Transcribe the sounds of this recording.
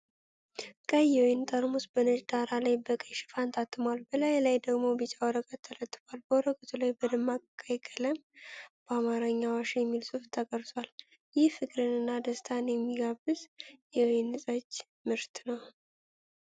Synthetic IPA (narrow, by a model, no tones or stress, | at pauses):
kʼəjɛwɔjnt̪ʼəɾmusb̥ənəd͡ʒd̪aɾalajbəkʼəjʃɪ̥fant̪ʰat̪ʰːɨmwalbəlajlajd̪əɡmo̞bɨt͡ʃʼawɔɾəkʼət̪ʰːələt̪ʼːɨfwalbəwɔɾəkʼət̪ʰulajbəd̪ɨmːakʼkʼajkʼələmb̥əamaɾəɲːawaʃjɛmːilsʼɨft̪ʰːəkʼəɾt̪ʼwal | jɪhfɨkʼɾɨnɨnːad̪əst̪ʰanjɛmːiɡabɨzjɛwɔjnɨsʼat͡ʃː | mɨɾt̪nəw